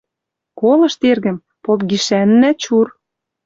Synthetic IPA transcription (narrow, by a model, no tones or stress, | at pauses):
kolɤ̆ʃt̪erɣə̆m | pop̚ɡiʃænːæt͡ɕur